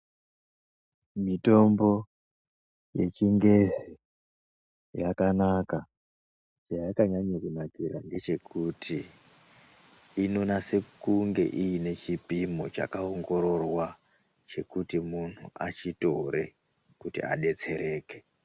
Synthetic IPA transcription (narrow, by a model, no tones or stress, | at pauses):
mito̞mbo̞ | je̞̰t͡ʃiŋɡe̞zi | jakanaka | t͡ʃajakaɲaɲakunaɡiɾaŋɡe̞t͡ʃe̞kʰutʰi | no̞nase̞kuŋɡe̞̰ʔijine̞t͡ʃipimo̞t͡ʃa̰kaoŋɡo̞ɾo̞rwa | t͡ʃe̞kutimun̤uʔa̰t͡ʃito̞ɾe̞ | kutḭa̰ɗe̞t͡se̞ɾe̞ːke̥